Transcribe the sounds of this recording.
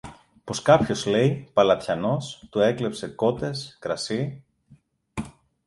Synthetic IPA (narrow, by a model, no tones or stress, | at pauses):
po̞skɐpço̞zle̞jpɐlɐt̪çɐno̞st̪ue̞kle̞pse̞ko̞t̪e̞skɾɐsi